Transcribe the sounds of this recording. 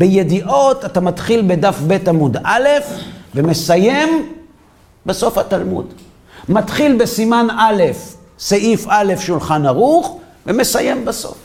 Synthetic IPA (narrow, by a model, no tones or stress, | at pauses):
b̥eje̞diʔo̞tatamat̪χilbedafbe̞tamudale̞fveme̞saje̞m | beso̞fatalmṵd | mat̪χilbe̞simanʔale̞f | seʔifale̞fʃulχanaʁuχ | veme̞saje̞mbaso̞̰f